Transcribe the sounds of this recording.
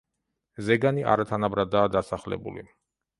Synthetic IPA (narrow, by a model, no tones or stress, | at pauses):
zɛɡaniʔa̰ɾat̪ʰanabɾad̪aːd̪asaχlɛ̰bṵlḭ